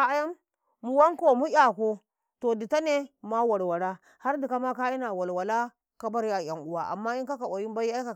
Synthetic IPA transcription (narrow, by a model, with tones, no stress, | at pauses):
a˦ja˦m | mu˨wa˦ŋko˨mu˦ja˨ko˦ | to˨di˨ta˦ne˦ma˦wa˨ɾwa˨ɾa˦ | ha˦ɾdi˨ka˦ma˦ka˦i˦na˨wa˨lwa˨la˦ | ka˦ba˦ɾja˨ja˨ŋu˨wa˨ʔa̰˨mːa˦i˦ka˦ka˨wa˨ji˦m˦ba˦ji˦a˦ka˨